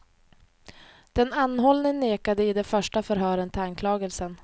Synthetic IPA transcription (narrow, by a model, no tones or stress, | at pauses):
d̪̥ɛnanːhɔlnɪŋneːkad̪əɪd̪ɛfœʂʈafœɾɦœːɾənt̪ʰɪlankʰlɑːɡəlsən